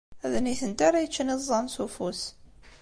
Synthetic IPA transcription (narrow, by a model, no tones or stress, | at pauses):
æðniθənt̪aɾæjət͡ʃːənizˤːɑnsufus